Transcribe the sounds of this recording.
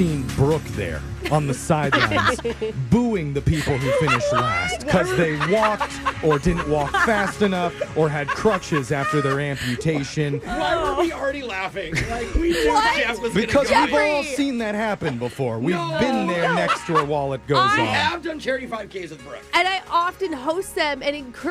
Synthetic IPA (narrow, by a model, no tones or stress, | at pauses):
ĩnbɹʊkðə̰˞ə̃nðɨsaɪdˡl̰ãɪ̃nbuɪ̃ŋðɨpʰipl̩ˠhufɪ̃ñɨʃtˡlæst̚kʰʌzðeɪwɔk̚tə˞dɪdⁿn̩ʔwɔkfæstɨnʌfə˞ɨd̚kʰɹ̥ʌt͡ʃɪzæftə˞ðə˞æ̃mpjʉtʰeɪʃɨ̃nwaɪwə˞wil̩ˠɹɛɾilæfɪ̃ŋlaɪkwiɔæʌbɨkʰʌzwivɔlˠsĩnðɨt̚hæpɨ̃nbəfɔɹwivbɪ̃nðə˞nɛkstʰəə˞waɪlˠɨt̚ɡ̥oʊzɨvdʌ̃nt͡ʃʰɛɹɾifaɪv̥kʰeɪzʌðbɛ̰ɨ̃naɪʔɑfɨ̃nɦoʊst̪̚ðɨ̃mɨ̃nɨ̃nkʰ